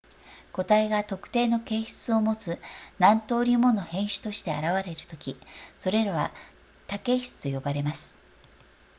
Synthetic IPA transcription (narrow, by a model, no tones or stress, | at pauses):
ko̞t̪aiɡat̪o̞kɯ̟̥t̪e̞ːno̞ke̞ːçɨ̥t͡sɨo̞mo̞t͡sɨnãnt̪o̞ːɾʲimo̞no̞hẽ̞ɰ̃ɕɨ̥t̪o̞ɕi̥t̪e̞a̰ɾaβaɾe̞ɾɯ̟t̪o̞kʲiso̞ɾe̞ɾaβa | t̪ake̞ːçi̥t͡sɨ̥t̪o̞jo̞baɾe̞masɨ̥